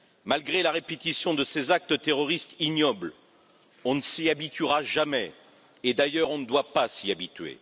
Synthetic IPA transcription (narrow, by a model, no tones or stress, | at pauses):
malɡʁelaʁepet̪isjɔ̃d̪əsezak̚t̪ət̪eʁɔʁist̪injɔbl | ɔ̃nəsiabit̪yʁaʒamɛ | ed̪ajœʁɔ̃nəd̪wapasiabit̪ɥḛ